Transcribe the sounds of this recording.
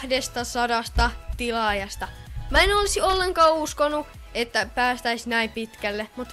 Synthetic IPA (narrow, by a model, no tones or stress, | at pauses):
hdest̪ɑsɑdɑst̪ɑt̪ilɑːjɑst̪ɑmæenolisiolːeŋkɑːuskonːu | et̪ːæpæːst̪æisnæimpit̪kælːemut̪